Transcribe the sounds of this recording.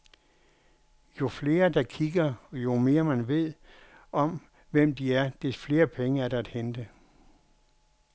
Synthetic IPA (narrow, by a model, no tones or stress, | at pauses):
jo̝fle̝ːɐd̥ɑ̈kʰiɡ̥ɐɒjo̝me̝ːɐmænʋe̝ð̞̰ˠ | ɒ̽m | ʋem̰d̥iæɐd̥e̝sfle̝ːɐpʰeŋəæɐɾ̥ɑ̈æd̥hend̥ə